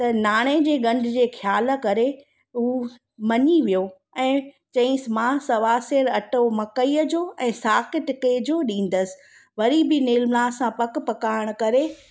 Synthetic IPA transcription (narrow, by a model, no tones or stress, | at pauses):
t̪ɐnaːɽ̃ed͡ʑeːɡɐ̃ɳɖʱd͡ʑeːxʰjaːl̆kɐɾe | uː | mɐɲiʋijo | ɛ̃ː | t͡ɕɐ̃ɪ̃smãsɐʋaːsɪɾɐʈomɐkəiːəd͡ʑoːɛ̃ːsaːkɪʈɪked͡ʑoːɗĩːn̆d̪əsɪ̥̆ | ʋɐɾibɪneːlmlaːsãpɐkpɐkaːɾɪəɽ̃kɐɾe